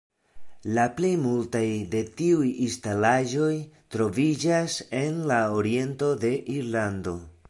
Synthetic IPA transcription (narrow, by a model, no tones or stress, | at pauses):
laplejmultajde̞tiujinstalaʒo̞jtɾo̞vid͡ʒase̞nlaoɾie̞nto̞de̞ʔiɾlando̞